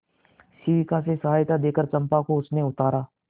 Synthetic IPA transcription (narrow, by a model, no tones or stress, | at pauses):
siːʋɪkas̬esɐɦaːjt̪ad̪eːkəɾt͡ʃɐ̃mpakoʊsneʊt̪aːɾaː